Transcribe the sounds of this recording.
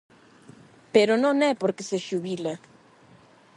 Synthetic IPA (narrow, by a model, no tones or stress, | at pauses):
peɾononepoɾkeseʃuβila